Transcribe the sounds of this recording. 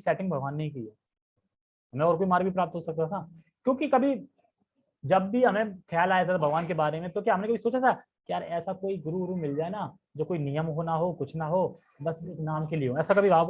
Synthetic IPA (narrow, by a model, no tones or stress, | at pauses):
sɛːʈɪ̃ŋbʱɐɡʋaːnːɐɦĩkiiaː | ɐmẽɔːɾk̬oːimaːɾibʱipɾaːp̚t̪ɦosɐk̚t̪at̪ʰaː | kjõːkikɐbʱi | d͡ʒɐbːʱiɦɐmẽxʰjaːlaːjat̪ʰat̪ʰabʱɐɡʋaːnk̬ebaːɾemẽt̪okjaːɦɐmnẽkɐbʱisoːt͡ʃat̪ʰa | kijaːɾɛːsakoːiɡʊɾuɡʊɾumɪld͡ʒaːena | d͡ʒoːkoːinijəmɦoːnaɦokʊt͡ʃʰnaɦoː | bɐseːknaːmkelieɦõɛːsakɐbʱiʋaː